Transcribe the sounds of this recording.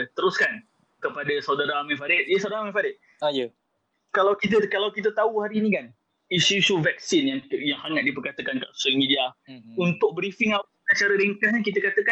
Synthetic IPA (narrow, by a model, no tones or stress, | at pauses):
t̪əɾʊskan | kəpadasawdaɾamɛnfaɾɪt̪̚jəsawdaɾamɛ̃nfaɾɪt̪̚ | jə | kalawkit̪əkalawkit̪̬ət̪auhaɾiːnikan | isusuvɛk̚sinjaŋjaŋhaŋaʔ̪̚dipərkat̪əkankaʔsamidiaunt̪ʊk̚bɾifɪŋa | at͡ʃaɾəɾiŋkahɲakit̪əkat̪əka